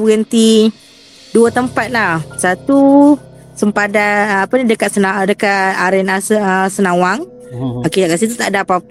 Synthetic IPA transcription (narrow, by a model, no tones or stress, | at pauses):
ɡənt̪i | duət̪əmpat̪̚lahsat̪u | səmpadaapənidəkat̪̚sənadəkataɾɛnasəsənawaŋ | oket̪aʔkasit̪ut̪aʔdapa